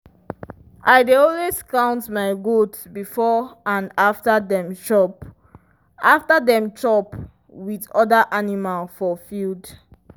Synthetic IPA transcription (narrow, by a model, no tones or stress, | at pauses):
ʔaɪdeɔlweskãʊ̃ntmaɪɡodsbifɔãndaftədɛ̃mʃɔp | aftədɛ̃mtɹɔp | wiðɔdəʔanimalfɔfild